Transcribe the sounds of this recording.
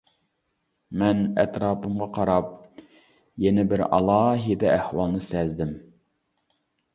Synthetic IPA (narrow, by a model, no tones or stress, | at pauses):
mɛnɛ̰t̪ɾɑːpʰɨmʁɑqʰɑɾɑp̚ | jɛnɪbɪɾɑ̰lˠɑːɦid̪ɛæhwɑlˠnɨsɛzd̪ɪm